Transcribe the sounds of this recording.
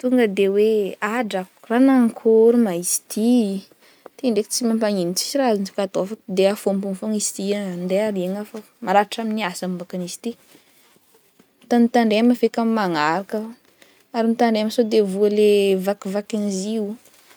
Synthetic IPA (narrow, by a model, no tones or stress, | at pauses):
t̪uŋɡəd̪eweaɖ͡ʐak | ranaŋkʰuɾumaisi̥t̪ʰi | t̪iɳɖ͡ʐekit͡simampaŋinit͡si̥siɾazint͡si̥kat̪oafəkd̪eafombunfoŋisi̥t̪iand̪eaɾieŋafə | maɾaaʈ͡ʂaminiasammbakanizi̥t̪i | t̪anit̪aɳɖ͡ʐemafekammaŋaɾakə | aɾinit̪aɳɖ͡ʐeamsod̪evuəlevakivakinizi